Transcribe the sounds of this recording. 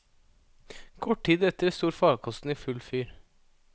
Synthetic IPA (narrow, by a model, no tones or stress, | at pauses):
kʰɔʈ̚ʈiːd̪ɛt̪əɾɛst̪uːɾfɑːɡkʰɔst̪n̩iːfʉlfyːɾ